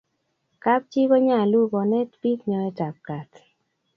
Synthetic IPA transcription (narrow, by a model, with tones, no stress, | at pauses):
ka˦p̚t͡ʃi˦kɔ˦ɲa˦˨lu˦bɔ˨nɛ˦tpi˦kɲɔ˨ɛ˦ta˨p̚ka˨t̪